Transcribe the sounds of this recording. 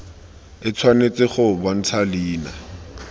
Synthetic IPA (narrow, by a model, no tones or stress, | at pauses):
ɪt͡sʰwanet͡sɪχʊban̩t͡sʰaliːna